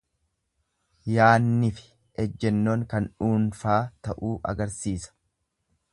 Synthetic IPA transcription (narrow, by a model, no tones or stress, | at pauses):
jaːnːɪfɪ̥ | ɛd͡ʒːɛnːoːŋkɐnᶑuːnfaːt̪ɐʔuːʔɐ̰ɡɐɾsiːsɐ̥